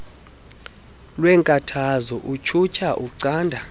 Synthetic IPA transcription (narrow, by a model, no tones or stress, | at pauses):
lwɛŋkʼatʰazɔʔut͡ʃʰut͡ʃʰaʔuǀaːndʱa